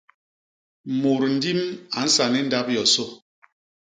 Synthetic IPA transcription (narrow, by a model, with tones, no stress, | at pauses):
mo˨ɾn̩˦di˦ma˨n̩˦sa˨ni˦n̩˦da˦p̚jɔ˨so˦˨